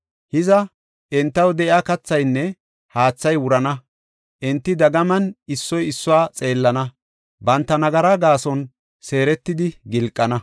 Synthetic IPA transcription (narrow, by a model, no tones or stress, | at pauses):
hɪzɐ | ʔɪnt̪ːɐwd̪ɛʔɪakɐt͡sːɐjnːɛ | haːt͡sːɐjwʊɾɐnɐ | ʔɪnt̪ːɪd̪ɐɡɐmɐnɪsːɔjɪsːʊwaːt͡sʼe̞ːlːɐnɐ | bɐnt̪ːɐnɐɡɐɾaɡaːsɔn | se̞ːɾɛt̪ːɪd̪ɪɡɪlkʼːɐnɐ